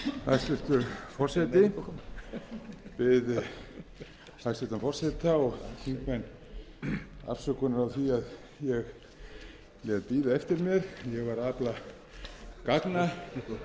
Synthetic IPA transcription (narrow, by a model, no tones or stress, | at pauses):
hajst̪ʏl̥t̪ʏɾfɔr̥sajt̪ɪ | vɪð | ajst̪ʏ̥t̪amfɔrsɛt̪aɔɣk̪iŋkmɛnː | a̰r̥sœkʏnʏɾawθiað | jɛɣ | lɛðpiːðaɛft̪ɪɾmjɛɾjɛɣvaɾaːpla | kakna